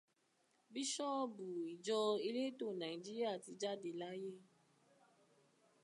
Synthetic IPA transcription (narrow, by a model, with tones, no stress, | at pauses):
bi˦ʃɔ˦bu˨i˨d͡ʒɔ˧i˦le˦to˦˨nã˨i˨d͡ʒi˦ɾi˦a˦˨ti˧d͡ʒa˦de˨la˦je˦